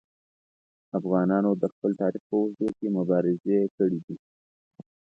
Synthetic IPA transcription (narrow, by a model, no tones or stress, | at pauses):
afɣɑnɑnod̪əxpəlt̪ɑɾɪf̚pəwazd̪okemʊbɑɾɪzekəɽid̪i